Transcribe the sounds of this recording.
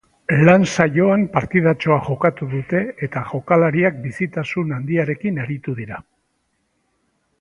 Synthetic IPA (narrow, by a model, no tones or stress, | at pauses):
lansajo̞ampaɾt̪ið̞at͡ʃo̞aʝo̞kat̪uðut̪e̞et̪aʝo̞kalaɾiak̚bisit̪asunand̪iaɾe̞kinaɾit̪uðiɾa